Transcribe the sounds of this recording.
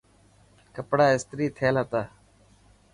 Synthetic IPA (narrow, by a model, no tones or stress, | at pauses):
kəpɽaːɪst̪ɾiːt̪ʰeːlət̪aː